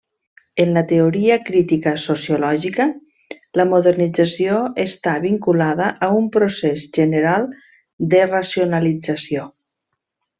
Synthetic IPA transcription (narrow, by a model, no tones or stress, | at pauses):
ənlət̪eoɾiəkɾit̪ikəsosjulɔʒikə | ləmoðərnid͡zəsioest̪aβiŋkulaðəʔəumpɾosezʒənəɾalˠ | d̪ərasionalid͡zasio